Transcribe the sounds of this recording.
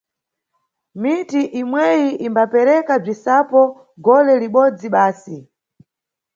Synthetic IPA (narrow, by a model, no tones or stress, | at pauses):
mitiʔimwɛjiʔimbapɛɾɛkab͡ʐisapɔ | ɡɔlɛliɓɔd͡ziɓaːsi